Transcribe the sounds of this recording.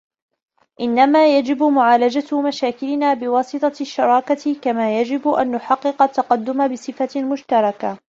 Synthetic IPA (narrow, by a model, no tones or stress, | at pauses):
ʔɪnːamaːjad͡ʒɪbmʊʕaːlad͡ʒat̪maʃaːkɪlɪnaːbɪwɑːsˤɨt̪ˤɑʃːɑɾˤɑːkakamaːjad͡ʒɪbʔa̰nːʊħɑqːɨqɑt̪ːɑqɑd̪ːʊmabɪsˤɨfamʊʃt̪ɑɾˤɑka